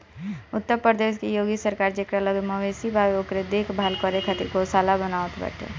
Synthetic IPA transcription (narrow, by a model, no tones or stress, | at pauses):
ʊt̪ːəɾpɾəɾd̪eːʃkejoːɡisəɾkaːɾd͡ʒekɾaləɡməʋesibʱaʋeokɾed̪eːkʰbʱalkəɾekʰət̪iɡosalabənaʋət̪bə̰ʈʰḛ